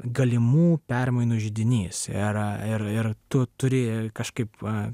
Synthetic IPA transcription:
ɡɐlʲɪmuːpʲɛrmɐɪnuːʒʲɪd̪ʲɪnʲiːsɪɾɪɾɪrt̪ʊt̪ʊɾʲɪkɐʃkɐɪp

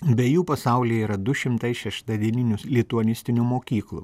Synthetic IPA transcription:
bʲɛjuːpɐsɐˑʊlʲiiːɾɐd̪ʊʃʲɪmt̪ɐɪʃʲɛʃt̪ɑd̪ʲiɛnʲɪnʲʊslʲit̪uɔnʲɪsʲt̪ʲɪnʲuːmoːkʲiːklˠṵ

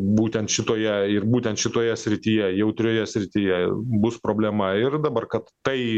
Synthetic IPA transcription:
buːt̪ʲɛnt̪ʃʲɪt̪oːjɛɪrbuːt̪ʲɛnt̪ʃʲɪt̪oːjɛsʲɾʲɪt̪ʲiːjɛjɛʊt̪ʲɾʲoːjɛsʲɾʲɪt̪ʲijɛbʊspɾoːbʲlʲɛmɐɪrd̪ɐbɐrkɐt̪ːɐɪ

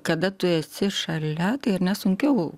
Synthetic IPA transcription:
kɐd̪ɐt̪ʊɛsʲɪʃɐlʲɛt̪ɐɪɪɾnʲɛsʊŋʲkʲɛʊ

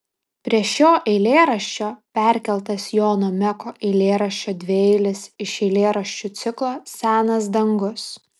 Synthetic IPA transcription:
pʲɾʲiɛʃoːʔɛɪlʲeːɾɐʃʲt͡ʃʲoːpʲæɾʲkʲɛlˠt̪ɐsjoːnoːmʲɛkoːʔɛɪlʲeːɾɐʃʲt͡ʃʲoːd̪ʲʋʲeɛɪlʲɪsɪʃɛɪlʲeːɾɐʃʲt͡ʃʲut̪sʲɪklˠoːsʲæːnɐsd̪ɐŋɡʊs

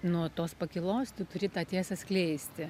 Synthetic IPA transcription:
nuɔt̪oːspɐkʲɪlˠoːst̪ʲɪt̪ʊɾʲɪt̪ɑːt̪ʲeːsɐsʲklʲɛɪsʲt̪ʲɪ

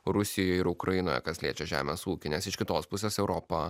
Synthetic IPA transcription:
ɾʊsʲɪjoːɪɾʊkɾʔɐjɪnoːjɛ̰kɐsʲlʲiːt͡ʃʲɛʒʲæ̰ːmʲesuːkʲɪnʲɛsɪʃkʲɪt̪oːspʊsʲeːsɛʊɾoːpɐ

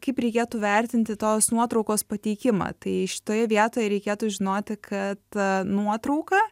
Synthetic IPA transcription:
kɐɪpɾʲɛɪkʲeːt̪uːʋʲɛɾʲt̪ʲɪnʲt̪ʲɪt̪oːsnuɔt̪ɾɒʊkoːspɐt̪ʲɛɪkʲɪmɐ̰ːt̪ɐɪʃʲɪ̥t̪oːjɛʋʲiɛt̪oːjɛɾʲɛɪkʲeːt̪uːʒʲɪnoːt̪ʲɪkʰɐt̪nuɔt̪ɾɐʊkɐ

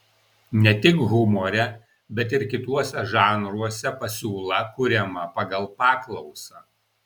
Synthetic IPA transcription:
nʲɛt̪ʲɪkɣʊmɔːɾʲɛ | bʲɛt̪ɪɾkʲɪt̪uɔsʲɛʒɑːnɾuɔsʲɛpɐsʲuːlˠɐkʊɾʲɛmɐpɑɡɐlˠpɑːklˠɔʊsɑ

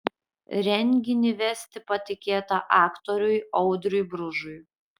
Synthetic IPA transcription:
ɾʲɛŋʲɡʲɪnʲɪʋʲɛsʲt̪ʲɪpɐt̪ʲɪkʲeːt̪ɐʔɑːkt̪ɔɾʲʊjɒʊd̪ɾʲʊjbɾʊʒʊj

